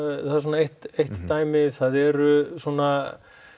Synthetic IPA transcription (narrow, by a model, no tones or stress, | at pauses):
θaðs̬ɔːnaejht̪ejht̪t̪aːjmɪðθaðɛɾʏswɔna